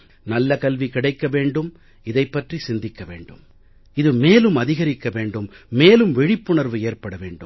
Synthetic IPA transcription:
nɐlːɐkɐlʋikɪɽɐɪkːɐʋeːɳɖɯm | ɪðɐɪpːɐʈrisɪnd̪ɪkːɐʋḛːɳɖɯ̰m | ɪðɯmeːlɯmɐðɪɣɐɾɪkːɐʋeːɳɖɯmːeːlɯmʋɛɻɪpːʊɳɐɾʋɯeːrpɐɽɐʋḛːɳɖɯ̰m

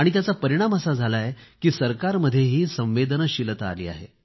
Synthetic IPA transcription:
aɽ̃it̪̬jat͡sapəɾiɽ̃amasad͡zʱalajekiːsəɾkaɾməd̪ʱːjeɦiːsə̃mʋed̪nəɕilət̪a̰lḭːa̰ɦḛ

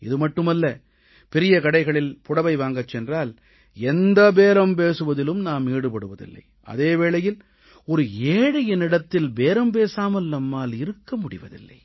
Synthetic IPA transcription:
ɪðɯmɐʈːɯmɐlːɐ | pɛɾɪjɐkɐɽɐɪɣɐɭɪlpʊɽɐʋɐɪʋaːŋɡɐt͡ʃːɛndraːl | ɛnd̪ɐbeːɾɐmp̬eːsɯʋɐðɪlɯmnaːmiːɽɯpɐɽɯʋɐðɪ̰lːɐ̰ɪ | ɐ̰ðeːʋeːɭɐjɪl | ɔɾɯeːɽɐjɪnɪɽɐt̪ːɪlbeːɾɐmp̬eːsaːmɐlnɐmːaːlɪɾɯkːɐmʊɽɪ̰ʋɐ̰ðɪ̰lːɐ̰ɪ

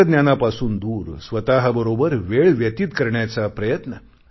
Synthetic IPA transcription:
d̪njanapasuːnd̪uːɾsʋət̪aɦəbəɾobəɾʋeɭʋjət̪iːt̪kəɾɳjat͡sapɾəjət̪nə

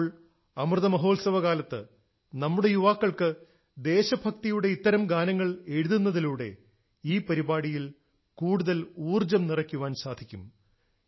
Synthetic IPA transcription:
ɭ | ɐmrɨðɐmɐɦo̞ːlsɐʋɐɣaːlɐt̪ːɨ | nɐmːuɽe̞juʋaːkːɐɭkɨ | d̪e̞ːɕɐbʱɐkt̪ijuɽe̞it̪ːɐɾɐmɡaːnɐŋːɐɭe̞ɻuðunːɐðiluːɽe̞ | iːpɐɾibaːɽijil | kuːɽuðɐluːrd͡ʑɐmnirɐkʲːuʋaːnsaːd̪ʱikʲːum

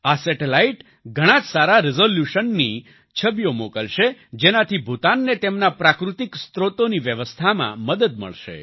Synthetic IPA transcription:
asɛʈelaiʈ | ɡʱəɽ̃ãd͡ʒsaɾaɾizoljuʃənːi | t͡ʃʰəbjomokəlʃed͡ʒenat̪ʰibʱut̪anːet̪emnapɾakɾut̪ikst̪ɾot̪oniʋjəʋəst̪ʰamã̰məd̪əd̪̚mə̰ɭʃḛ

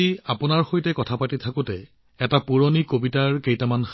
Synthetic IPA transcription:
iapʊnaɹxojtɛkɔtʰapatitʰakʊtɛ | ɛtapuɹonikobitaɹkejtamanx

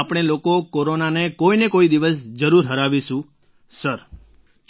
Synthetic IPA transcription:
apɽ̃ɳ̃elokokoɾonanekoinekoid̪iʋəsd͡ʒəɾuɾɦəɾaʋiʃũ | səɾ | t͡ʃ

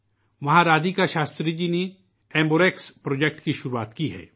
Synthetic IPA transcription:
ʋɐɦãɾaːd̪ikaʃaːst̪ɾid͡ʒine | ɛ̃ːmboːɾeːkspɾoːd͡ʒek̚ʈkiʃʊɾuaːt̪kiɦɛ̰ː

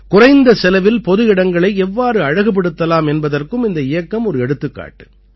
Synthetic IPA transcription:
kʊrɐɪnd̪ɐsɛlɐʋɪlpɔðɯɪɽɐŋɡɐɭɐɪɛʋːaːɾɯɐɻɐɣɯp̬ːɛɽɯt̪ːɐlaːmɛnbɐðɐrkɯmɪnd̪ɐɪjɐkːɐmɔɾɯɛɽɯt̪ːɯkːa̰ːʈːɯ̥

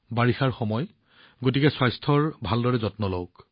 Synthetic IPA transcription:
baɹixaɹxɔmɔj | ɡotikɛswajstʰɔɹbʱaldɔɹɛzɔtnɔlowk

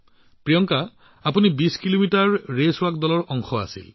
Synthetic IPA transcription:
pɹijɔŋka | apunibiskilomitaɹːesʊwakdɔlɔɹɔŋxɔa̰sḭl

